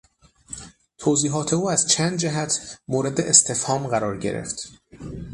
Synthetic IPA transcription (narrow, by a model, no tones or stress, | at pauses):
t̪ʰoːziːɦɒːt̪ʰe̞uːæzt͡ʃʰænd̪̚d͡ʒæɦæt̪ʰmoːɾe̞d̪e̞ʔest̪ʰe̞fhɒːmɢæɾɒːɾɟe̞̰ɾḛft̪